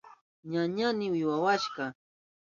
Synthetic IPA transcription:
ɲaɲanɪwɪwawaʃɢɑ

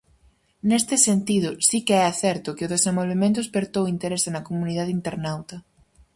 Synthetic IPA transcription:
nest̪ɪsent̪iðʊsikeɛaθɛɾt̪ʊkɪʊðesẽmbolβemẽnt̪̬ʊspeɾt̪owint̪eɾesenɐkomuniðaðint̪eɾnawt̪ɐ

